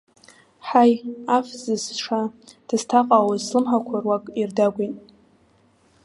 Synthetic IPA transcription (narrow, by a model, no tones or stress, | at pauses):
ħajafzɨsʂa | d̥ɨz̥tʰaqʼawaslɨmħakʷʰarwakʼirdaɡʷinʼ